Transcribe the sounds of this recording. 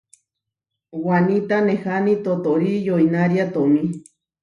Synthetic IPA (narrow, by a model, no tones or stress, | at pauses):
wanit̪anehanit̪ot̪oɾijoinaɾiat̪omi